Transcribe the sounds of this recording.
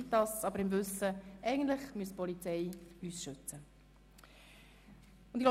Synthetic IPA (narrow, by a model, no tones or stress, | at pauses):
tdɑsɑbəɾɪmʋɵsəʔɛɪɡən̩t̪lɪχmyəspɔlit͡sɛɪyːsʃʏt͡sə | ʊnd̪iɡlo